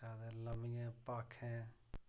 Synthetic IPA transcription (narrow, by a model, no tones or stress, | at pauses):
aːd̪ẽːləmijɛ̃ːpaːkʰɛ̃ː